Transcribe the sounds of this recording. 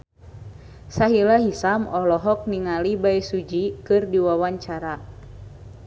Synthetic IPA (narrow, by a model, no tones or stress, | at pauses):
saɦilaɦisamɔlɔɦɔk̚niŋalibaisud͡ʒikɨrdiwawaɲt͡ʃaɾa